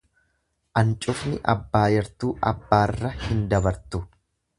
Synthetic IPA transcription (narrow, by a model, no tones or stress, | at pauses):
ʔɐnt͡ʃʼʊfnɪʔɐbːaːjɛɾt̪uːʔɐ̰bːaːrːɐhɪnd̪ɐbɐɾt̪ʊ